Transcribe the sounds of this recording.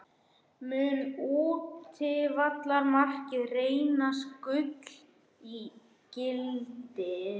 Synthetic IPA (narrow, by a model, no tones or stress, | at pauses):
mʏːnuːtt̪ʰɪvat̪laɾmar̥cɪðreːjnaskʏt̪l̥ | i | cɪlt̪ɪ